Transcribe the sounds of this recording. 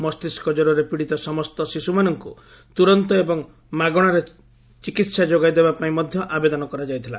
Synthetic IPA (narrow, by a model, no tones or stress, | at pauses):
mɔst̪iskɔd͡ʒɔɾɔɾepiɽit̪ɔsɔmɔst̪ɔsisumanɔŋku | t̪uɾɔnt̪ɔebɔŋ | maɡɔɽ̃aɾe | t͡ʃikit̪sad͡ʒoɡajd̪ebapaĩmɔd̪ʱjɔʔabed̪ɔnɔkɔɾad͡ʒajt̪ʰila̰